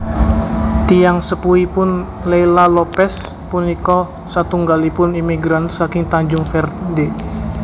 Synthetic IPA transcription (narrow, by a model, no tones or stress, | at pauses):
t̪ijaŋsəpuipʊnleilalopɛs | punikɔ | sat̪uŋɡalipʊnimiɡɾansakɪŋt̪aɲd͡ʒʊŋfɛrde